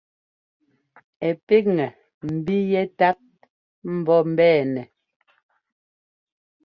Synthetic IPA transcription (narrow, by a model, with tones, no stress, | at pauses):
ɛ˨pe˦ŋɛ˨ | m̩˨bi˦jɛ˦ta˦t̚ | m̩˦bɔ˦m̩˦˨bɛː˦˨nɛ˨